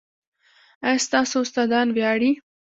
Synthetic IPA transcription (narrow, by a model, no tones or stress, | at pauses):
ast̪ɑːsoʊst̪ɑd̪ɑnwjɑːɽi